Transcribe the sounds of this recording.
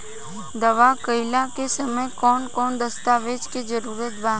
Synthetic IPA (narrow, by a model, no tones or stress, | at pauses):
d̪ɐʋakəɪlakesɐməjkɔːnkɔːnd̪ɐst̪aːʋeːd͡ʒked͡ʒəɾuːɾət̪bãː